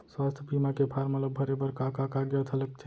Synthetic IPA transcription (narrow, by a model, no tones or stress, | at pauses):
swast̪ʰbimakepʰaːɾmət̪ləbbʱəɾebəɾkãkãkaɡjat̪ʰələk̚t͡ʃʰe